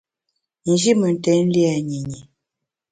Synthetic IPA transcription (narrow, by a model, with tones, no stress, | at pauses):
n̩˨d͡ʒi˦mə˨n̩˨tɛ˨˦n̩˦li˦a˨ɲi˨ɲi˨